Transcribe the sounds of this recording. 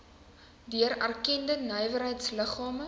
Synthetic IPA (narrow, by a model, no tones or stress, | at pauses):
dyəɾærkɛndənœjvərɦəjtsləχɑːmə